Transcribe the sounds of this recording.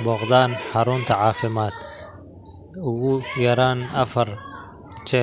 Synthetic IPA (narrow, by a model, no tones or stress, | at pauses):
bɔqd̪aːnħɑɾʊnt̪ʰɐʕɑːfɪmaːd̪ | ʊɣʊjɐɾaːnɐfɐr | t͡ʃɛ